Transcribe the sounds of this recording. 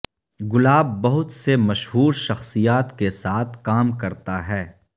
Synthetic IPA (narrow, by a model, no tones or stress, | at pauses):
ɡʊlaːbːɐɦʊt̪semɐʃɦuːɾʃɐxsijaːt̪kesaːt̪ʰkaːmkɐɾt̪aɦɛː